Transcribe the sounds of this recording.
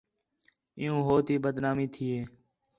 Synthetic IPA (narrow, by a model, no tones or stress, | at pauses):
ɪjõːɦoːt̪iːbəd̪naːmiːt̪ʰiːeː